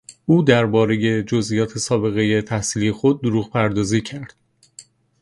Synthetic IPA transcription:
uːd̪æɾbɒːɾe̞je̞d͡ʒozʔijɒːt̪ʰe̞sɒːbe̞ɣe̞je̞t̪ʰæhsiːliːexod̪̚ːoɾuːɣpʰæɾd̪ɒːziːcʰæɾd̪̥

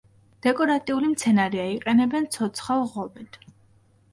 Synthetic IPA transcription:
d̪̥ɛkʼɔɾat̪ʼiulimt̪sʰɛnaɾiaiqʼɛnɛbɛnt̪sʰɔt̪sʰχalˠʁɔbit̪ʰ

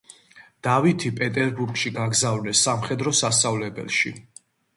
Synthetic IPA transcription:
d̪̥avit̪ʰipʼɛt̪ʼɛɾbuɾɡʃiɡaɡzavnɛsːamχɛd̪ɾɔsast̪sʼavlɛbɛ̰lˠʃḭ

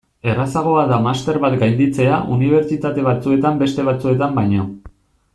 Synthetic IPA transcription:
e̞rasaɣ̞o̞aðamast̪e̞ɾβat̪ɡajnd̪it͡se̞aʔuniβ̞e̞ɾt͡ʃit̪at̪e̞β̞at͡sue̞t̪ambe̞st̪e̞β̞at͡sue̞t̪ambajɲo

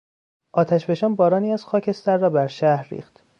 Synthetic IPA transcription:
ʔɒːt̪ʰæʃbe̞ʃɒːnbɒːɾɒːniːæz̥xɒːcʰe̞st̪æɾːɒːbæɾʃæhɾːḭːxt̪

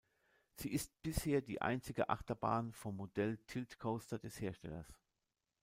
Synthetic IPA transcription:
z̥iːʔɪst̚b̥ɪsheːɐdiːʔa̰ɪnt͡sɪɡə̰ʔa̰χtɐbaːnfɔmːodɛltʰɪltkʰoʊstɐdɛsheːɐʃtɛ̰lɐ̰s

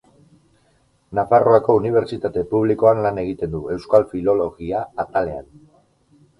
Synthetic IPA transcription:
nafaro̞ako̞uniβ̞e̞ɾt͡ʃit̪at̪e̞puβ̞liko̞anlaneɣ̞it̪e̞nd̪ue̞wskalfilo̞lo̞ɣiaːt̪ale̞a̰n

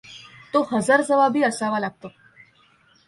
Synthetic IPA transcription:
t̪ohəd͡zəɾd͡zəʋabʱiːəsaʋalaɡ̚t̪o

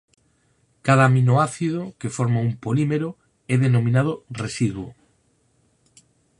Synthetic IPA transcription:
kað̞aminoaθiðokefoɾmaumpolimeɾo | ɛðenomĩnað̞oresiðwo

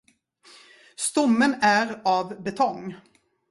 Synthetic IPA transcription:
st̪ɔmːənæɾɑvbɛt̪ʰɔŋː

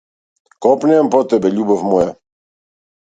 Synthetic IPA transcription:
kɔpnʲɛɛmpɔt̪ɛbɛʎʲubɔfmɔja

